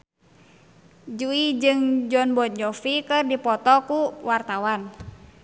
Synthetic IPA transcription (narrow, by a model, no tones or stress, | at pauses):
d͡ʒuid͡ʒɨŋd͡ʒɔnbɔd͡ʒɔfikɨrdipɔt̪ɔkuwart̪awan